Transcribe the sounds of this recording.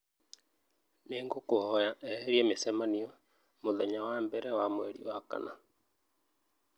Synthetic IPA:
neːŋɡokohɔjaʔɛɾiemesɛmaniɔ | moðɛɲawaːmbɛɾɛwamweɾiɔhaka̰na

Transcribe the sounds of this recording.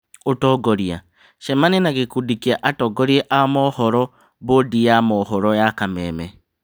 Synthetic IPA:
otɔɡɔɾia | ʃɛmanenaɣekudikiaʔatɔɡɔɾieʔamɔhɔɾɔ | βodijamɔhɔɾɔjakamɛmɛ

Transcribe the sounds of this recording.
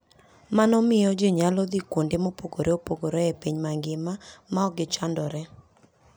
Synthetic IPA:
manɔmɪjɔd͡ʒeɲalɔd̪ikwondemopoɡoɾʔeopoɡoɾɔɛpiɲmaŋɡɪmamaɔɡɪt͡ʃandɔɾɛ

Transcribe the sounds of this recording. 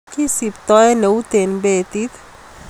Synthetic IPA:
kisipt̪ɔenəwt̪enbet̪it̪

